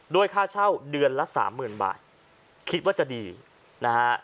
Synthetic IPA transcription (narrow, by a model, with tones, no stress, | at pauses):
doː˧əjkʰaː˥˩t͡ɕʰa˥˩wdɯ˧ənla˦˥sa̰ː˩˦mːɯː˨˩nba̰ː˨˩t̪̚ | kʰi˦˥t̪̚waː˥˩t͡ɕa˨˩diː˧ | na˦˥ha˦˥ʔ